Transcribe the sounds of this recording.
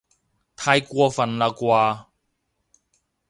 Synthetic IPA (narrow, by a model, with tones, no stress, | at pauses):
t̪ʰaː˧jkwɔ˧fɐ˨nla˧kwaː˧